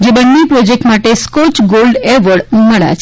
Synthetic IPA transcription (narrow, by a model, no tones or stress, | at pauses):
d͡ʒebənːepɾɔd͡ʒek̚ʈmaʈeskɔt͡ʃɡolɖeʋəɽməɭa̰t͡ʃʰ